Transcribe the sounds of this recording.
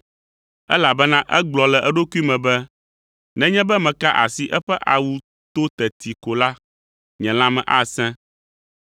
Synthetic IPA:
ɛ̰˦la˨bɛ˦nã˦ʔɛ˦ɡ͡blɔ˨lɛ˨ʔɛ˦ɖo˦ku˦i˦mɛ̃˨bɛ˦ | nɛ̃˦ɲɛ̃˦bɛ˦mɛ̃˨ka˦ʔa˨si˦ʔɛ˦ɸɛ˦ʔa˨wu˦ | t̪o˦t̪ɛ˨t̪ʰi˨ko˨la˦ | ɲɛ̃˨l̃ã˦mɛ̰̃˨ʔa˦sɛ̃˦

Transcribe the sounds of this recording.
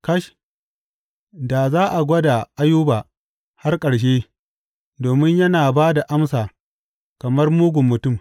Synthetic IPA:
kɐ˦ʃ | da˨zaː˦ʔa˨ɡʷɐ˦da˨ʔa˦juː˦baː˨ | ha˦rkʼɐ˨ɽʃ̬eː˦ | doː˨mɪ˦ɲjɐ˦naː˨baː˦da˨ʔa˦msaː˨ | kɐ˨mɐ˦rmuː˦ɡʷʊ˨mːʊ˨tʊ˦˨m

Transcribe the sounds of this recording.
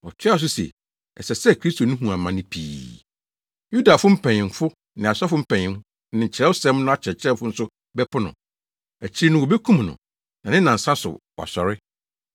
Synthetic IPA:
ɔ˨t͡ɕʰᶣɪ˦a˦˨s̬ʊ˦sḛ˨ | ɛ̰˨sɛ˨sɛ˦˨kʰɾi˦stʰo˨nʊ̃˦ɦũ˨ã˨mã˨nɪ̃˦pʰḭː˨ | ju˦da˨fʊ̃˦m̩˦pʰɛ̃˨ɲɪ̃˨ŋfʊ˦ | nɪ̃˨a˨sa˦fʊ˦m̩˦pʰɛ̃˨ɲɪ̃˨˦ | nɪ̃˨ɲ̩˨t͡ɕʰɪ˨ɾɛ˦wsɛ̃˦m˦nʊ̃˦a˦t͡ɕʰɛ˨t͡ɕʰɪ˦ɾɛ˦fʊ˦n̩˦sʊ˦ | bɛ˦pʰʊ˦nʊ̰̃˨ | æ˨t͡ɕʰi˦i˦nʊ̃˦wɔ˨be˦kʰũ˦m˨nʊ̰̃˨ | nã˨nɪ̃˦nã˨n̩˨sã˦sʊ̰˨wɔ̰˨sɔ˨ɾɪ˦

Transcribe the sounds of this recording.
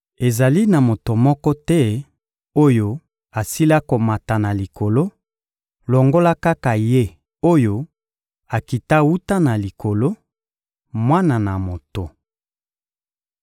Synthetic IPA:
e˨za˨li˦na˨mo˨to˨mɔ˦kɔ˦tɛ˦ | o˦jo˦˨ | a˨si˦la˦ko˨ma˨ta˨na˨li˨ko˨lo˦ | lo˨ŋɡo˦la˦ka˦ka˨je˦ | o˦jo˦ | a˨ki˨ta˦wu˦ta˦na˨li˨ko˨lo˦ | mwa˦na˨na˨mo˨to˨

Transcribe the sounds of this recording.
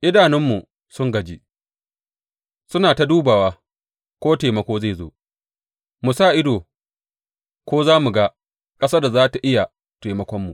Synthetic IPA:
ʔɪ˦daː˨nɪ˦mːu˨ | sʊ˦ŋɡɐ˨d͡ʒi˦ | sʊ˦naː˨ta˦duː˦baː˨waː˦ | kʷoː˦teː˨mɐ˦kʷoː˦ze˦˨zo̰ː˦ | mu˨sa˦˨ʔɪ˦doː˨ | kʷoː˦zaː˦mu˨ɡa˦ | kʼɐ˦saː˦da˨zaː˦ta˨ʔɪ˦ja˨ | teː˨mɐ˦kʷɔ˦mːu˨ʔ

